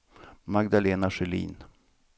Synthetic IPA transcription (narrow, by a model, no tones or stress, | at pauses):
maɡd̪aleːnaʂɛlḭːn